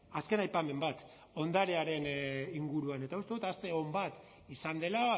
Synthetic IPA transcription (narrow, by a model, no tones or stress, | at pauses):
aske̞najpame̞mbat̪ | o̞nd̪aɾeaɾe̞niŋɡuɾuane̞t̪aust̪e̞ut̪ast̪e̞o̞mbat̪ | isand̪e̞la